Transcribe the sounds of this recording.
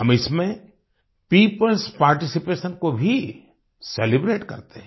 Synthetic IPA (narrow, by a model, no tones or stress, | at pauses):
ɦɐmɪsmẽ | piːpəlspaːɾʈɪsipeːʃənkobʱi | seːlɪbɾeːʈkɐ̰ɾt̪eɦ